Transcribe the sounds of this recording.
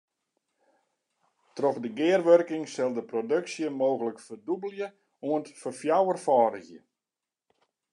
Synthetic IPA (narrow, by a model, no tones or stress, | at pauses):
troxdəɡɪːərʋørkɪŋsɪlˠdəprodøksjəmoːɣələkfərdubəlˠjə | uəntfərfjawərfɔːɾəɣjə